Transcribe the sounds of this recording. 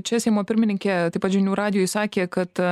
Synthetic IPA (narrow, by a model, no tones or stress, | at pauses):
t͡ʃʲɛsʲɛɪmoːpʲɪɾʲmʲɪnʲɪŋʲkʲeːt̪ɐɪpɐt̪ʒʲɪnʲuːɾɑːd̪ʲɪjoːjɪsɑːkʲeːkɐt̪